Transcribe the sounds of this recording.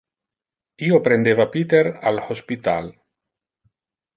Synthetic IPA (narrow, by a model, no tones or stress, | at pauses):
iopɾend̪evapit̪eɾa̰lospit̪a̰l